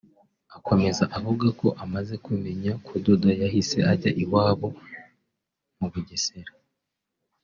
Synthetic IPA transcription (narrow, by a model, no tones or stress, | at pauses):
ako̞me̞zaʔavuɡako̞ʔamaze̞kume̞ɲakododajahise̞ʔaɟaʔiwaːβo̞ | muβuɟese̞ɾa